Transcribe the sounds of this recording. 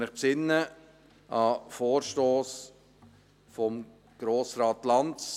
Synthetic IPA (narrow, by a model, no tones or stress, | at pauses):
ɪχpsɪnːə | ʔɑfoːɾʃtoːs | fɔm | ɡ̥ɾoːsɾɑːtlɑns